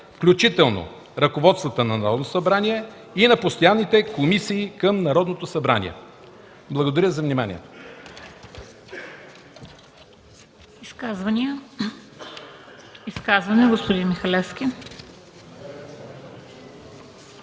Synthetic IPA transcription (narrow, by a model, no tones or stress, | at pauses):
fklʲut͡ʃit̪ɛlˠno̰ | ɾɐkovɔt̪st̪vət̪ənɐnɐɾɔd̪nosɐbɾaniɛ | inɐpost̪ojanːit̪ɛkomisiːkəmnɐɾɔd̪not̪osɐbɾa̰nʲḭɛ̰ | blˠəɡod̪ɐɾʲəzɐvnimanʲḭɛ̰t̪ | iskazvɐni | iskazvɐnɛɡospʊd̪inmixɐlɛfskʲi